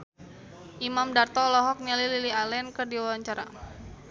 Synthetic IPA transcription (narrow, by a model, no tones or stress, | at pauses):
ʔimamdart̪ɔlɔɦɔk̚nialililialɛnkərdiwawaɲt͡ʃaɾa